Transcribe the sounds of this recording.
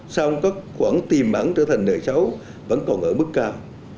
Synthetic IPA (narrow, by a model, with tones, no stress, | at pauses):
saː˧wŋ͡mkaː˦˥k̚xwaː˧˩ŋt̪i˨˩mɓa̰˧˩ŋt͡ɕəː˧˩t̪ʰa˨˩jŋ̟ɗəː˨˩jsə˨˦w | və̰˧˥nkɔ˨˩nʔə̰ː˧˩mɨ˦˥kːaː˧w